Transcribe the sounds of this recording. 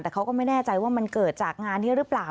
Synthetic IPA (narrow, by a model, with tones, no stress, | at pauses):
t̪ɛː˨˩kʰa˦˥wkɔː˥˩ma˥˩jnɛː˥˩t͡ɕa˧jwaː˥˩ma˧nkɤː˨˩t̪̚t͡ɕaː˨˩k̚ŋaː˧nːiː˥˩ɾɯ˦˥plaː˨˩